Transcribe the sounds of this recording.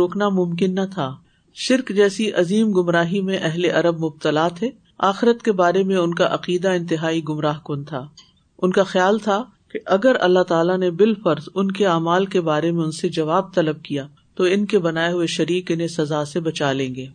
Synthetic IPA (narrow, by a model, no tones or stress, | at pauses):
oːknamʊmkɪnːɐt̪ʰaː | ʃɪɾkd͡ʒɛːsiʔɐziːmɡʊmɾaːɦimẽʔɛɦleʔɐɾəb̚mʊb̚t̪əlaːt̪ʰeː | aːxɪɾət̪kebaːɾemẽʊnkaʔɐqiːd̪aɪ̃nt̪ɪɦaːiɡʊmɾaːɦkoːnt̪ʰaː | ʊnkaxjaːlt̪ʰa | keʔɐɡəɾɐ̰lːaɦt̪aːlanebɪlfɐɾzʊnkeaːmaːlkebaːɾemẽʊ̃nsed͡ʒɐʋaːb̚t̪ɐləb̚kija | t̪oɪnkebɐnaːeɦʊeʃɐɾiːqɪnẽsɐzaːsebɐt͡ʃaːlẽːŋɡeː